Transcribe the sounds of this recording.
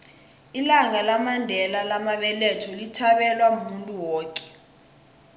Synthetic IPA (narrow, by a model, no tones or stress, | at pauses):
ilaŋalamandʱɛlalamaɓɛletʰɔlitʰaɓɛlwaumuntʼuwɔːkʼɛ̥